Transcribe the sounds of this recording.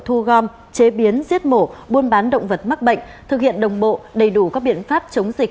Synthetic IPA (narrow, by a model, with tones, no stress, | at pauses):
t̪ʰu˧ɣɔ˧m | t͡ɕe˨˦ɓi˨˦ənzi˦˥ət̚mo˧˩ɓu˧ənɓaː˨˦nɗə̰˧˨wŋ͡mvə˨˩t̚ma˦˥k̚ɓə̰˧˨jŋ̟t̪ʰɨ˨˩k̚hḭ˧˨ənɗə˨˩wŋ͡mɓo̰˧˨ɗə˨˩jɗu˧˩kaː˦˥k̚ɓḭ˧˨ənfaː˦˥p̚t͡ɕə˨˦wŋ͡mzi˨˩k̚